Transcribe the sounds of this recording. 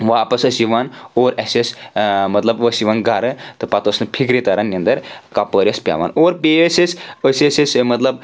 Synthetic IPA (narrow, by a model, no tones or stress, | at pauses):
ʋapɐsəsiʋanoɾɛsesmɐt̪lɐbʋəsiʋanɡaɾɨt̪ɨpat̪əsnɨpʰikɾit̪aɾanːiə̃nd̪ɐɾkapəɾʲjəspʲa̰ʋa̰noɾpeəsesəsʲesesmɐt̪ləb̚